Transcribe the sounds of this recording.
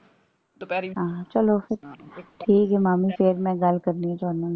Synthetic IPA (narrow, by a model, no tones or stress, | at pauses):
t̪opɛɦãːt͡ʃɐlofɪɾʈʰiːkɦɛmaːmifeːɾmɛ̃ɡalkɐɾniɛt̪oɐnãn